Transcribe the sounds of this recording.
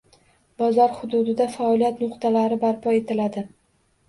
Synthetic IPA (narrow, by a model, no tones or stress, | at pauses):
bɒzɒɾhʊd̪ʊd̪ɪd̪afaɒlijat̪nʊqt̪ʰalaɾɪbaɾpʰɒe̞t̪ʰɪlad̪ɪ